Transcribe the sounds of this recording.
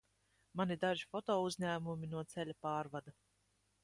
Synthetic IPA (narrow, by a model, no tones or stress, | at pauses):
manid̪aʒifɔt̪ɔːuzʲɲæːmumʲinuɔt̪sɛlʲapaːɾvad̪a